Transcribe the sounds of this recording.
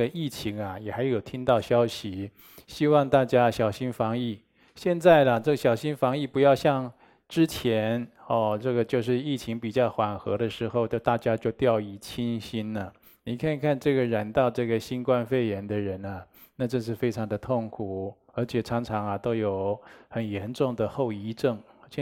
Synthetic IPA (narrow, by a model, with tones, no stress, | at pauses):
ɡə˨i˥˩t͡ɕʰi˧˥ŋɐ˨jɛ˨˩xa˧˥ɪjo˨˩ʊt̪ʰi˥ŋt̪ɑ˥˩ʊɕjɑ˥ʊɕi˨˩ | ɕi˥wɑ˥˧ŋt̪a˥˩t͡ɕja˥ɕjɑ˨˩ʊɕi˥nfɑ˧˥ŋi˥˩ | ɕjɛ˥˧nt͡sa˥˩ɪlə˩ʈ͡ʂɤ˥˩ɡə˩ɕjɑ˨˩ʊɕi˥nfɑ˧˥ŋi˥˩pu˧˥jɑ˥˧ʊɕjɑ˥˧ŋ | ʈ͡ʂɻ̩˥t͡ɕʰjɛ˧˥nɔ˥˧˩ʈ͡ʂɤ˥˩ɡə˩t͡ɕjo˥˧ʊʂ̬ɻ̩˥˧i˥˩t͡ɕʰi˧˥ŋpi˨˩t͡ɕjɑ˥˩ʊxwa˨˩nxɤ̰˧˥ɾə˧ʂɻ̩˧˥xo˥˧ʊt͡ɕo˥˧t̪a˥˩t͡ɕja˥t͡ɕjo˥˧ʊt̪jɑ˥˩˧ʊi˥˩t͡ɕʰi˥nɕi˥nə˨ | ni˨˩kʰa˥˧n˨kʰa˥˧nʈ͡ʂɤ˥˩ɡə˩ɻa˧˥nt̪ɑ˥˧ʊʈ͡ʂɤ˥˩ɡə˩ɕi˥nkwa˥˧nfe˥˩ɪjɛ˧˥nd̪ə˧ɻə˧˥nɐ˨ | na˥˧ʈ͡ʂɤ˥˧ʂ̬ɻ̩˥˩fe˥ɪʈ͡ʂʰɑ˧˥ŋd̪ə˧t̪ʰʊ˥˩ŋkʰu˨˩ | ə˞˧˥t͡ɕʰjɛ˨˩ʈ͡ʂʰɑ˧˥ŋʈ͡ʂʰɑ˧˥ŋɐ˨t̪o˥ʊjo˨˩ʊxə˨˩njɛ˧˥nʈ͡ʂʊ˥˩ŋd̪ə˩xo˥˩ʊi˥ʈ͡ʂɤ˥˩ŋ˥